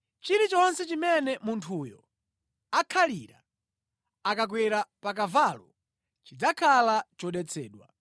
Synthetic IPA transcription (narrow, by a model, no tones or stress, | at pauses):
t͡ʃiɾit͡ʃɔɔnsɛt͡ʃimɛnɛmuntʰuːjɔ | akʰaliɾa̰ | akak̬wɛɾapak̬avalɔ | t͡ʃid͡zakʰalat͡ʃɔɗɛt͡sʰɛːɗwa̰